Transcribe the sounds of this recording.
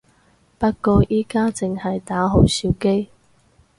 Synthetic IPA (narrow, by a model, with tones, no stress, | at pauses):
pɐ˥t̚kɔː˧ʔiː˥kaː˥t͡sɪ˨ŋhɐ˨jt̪aː˨˥ɦo˨˧˥wsi˨˥wke˥j